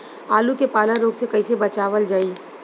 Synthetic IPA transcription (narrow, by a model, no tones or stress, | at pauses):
aːlukepaːlaɾoːɡsekɐisebɐt͡ʃaːʋəld͡ʒaːiː